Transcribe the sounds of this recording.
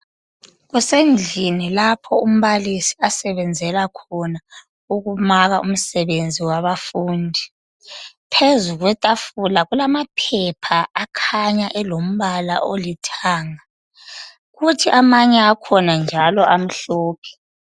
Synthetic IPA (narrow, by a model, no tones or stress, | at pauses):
ɣusend͡ɮʱinilapʰɔum̩βalisi̥asɛβɛnd͡zʱɛlakʰɔna | uɣumaɣaʔum̩sɛβend͡zʱiwaβafuːndʱi | pʰezuɣwɛtʼafulaɣulamapʰɛpʰaʔːkʰaɲaʔɛlom̩βala̰ʔolitʰaːŋa | ɣutʰiʔamaɲɛakʰɔnand͡ʒʱalɔʔam̩ɬɔːpʰɛ̥